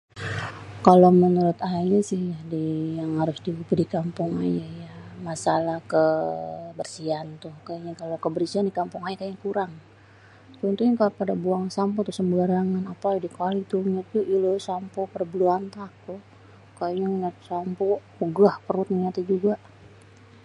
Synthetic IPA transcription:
kalomənuɾʊt̪ajasɪhjadijaŋhaɾʊsdiupədikampʊŋa̰jajamasalahkə | bərsiant̪ʊhkaɲakalokəbəɾsiandikampuŋajakajakuɾaŋ | t̪unt̪uɲakapadabuaŋsampɔt̪ʊhsəmbaɾaŋanapadikalit̪uɲad͡ʒuʔilosampɔpadabəluant̪ak̚t̪ʊh | kajɲaŋɲat̪sampɔ | uɡahpəɾʊt̪̚nŋat̪id͡ʒuɡaʔ

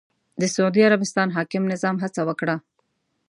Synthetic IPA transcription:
d̪əsʊud̪iaɾabɪst̪ɑnɦɑkɪmnɪzɑmɦat͡sawəkɽa

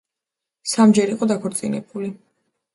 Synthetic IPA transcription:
samd͡ʒɛɾiqʼɔd̪akʰɔɾt̪sʼinɛ̰buli

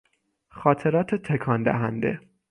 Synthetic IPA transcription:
xɒːt̪ʰe̞ɾɒːt̪ʰet̪ʰekʰɒːnd̪æ̰ɦænd̪e̞̰

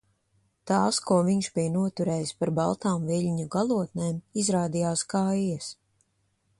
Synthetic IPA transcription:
t̪aːskuɔviɲʃbijnuɔt̪uɾɛːjspaɾbalˠt̪aːmvilʲɲuɡalˠuɔt̪neːmizɾaːd̪ijaːskaːjis

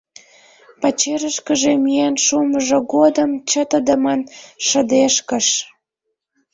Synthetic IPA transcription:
pɑt͡ɕeɾəʃkəʒemijænʃuməʒə̆ɡod̪əmt͡ɕə̆t̪əd̪ə̆mɑnʃə̆d̪eʃkə̆ʃ

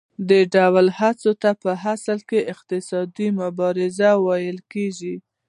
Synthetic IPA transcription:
d̪əɖawlhat͡sot̪apəɦasəlkeʔɪq̚t̪ɪsɑd̪imʊbɑɾɪzawɑjəlkeʒi

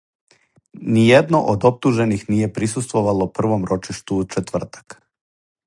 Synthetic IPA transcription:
nijed̪no̞ʔod̪o̞p̚t̪uʒe̞nixnije̞pɾisust̪ʋoʋalopr̩ʋo̞mɾo̞t͡ʃiʃt̪ut͡ʃet̪ʋr̩t̪ḁk

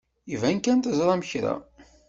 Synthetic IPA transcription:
ivænkænt̪əzɾˤɑməçɾæ̰

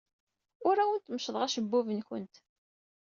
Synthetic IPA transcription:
ʊɾæwənt̪məʃðˤʁæʃəbːʊvənçə̰nt̪

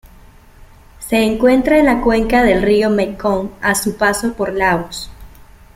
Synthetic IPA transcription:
se̞ːŋkwe̞nt̪ɾaelakwe̞ŋkaðe̞lrio̞mekoŋasupaso̞po̞ɾlaβos

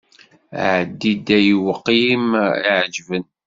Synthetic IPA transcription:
ʕəd̪ːid̪æjiwəqːimʕd͡ʒvən

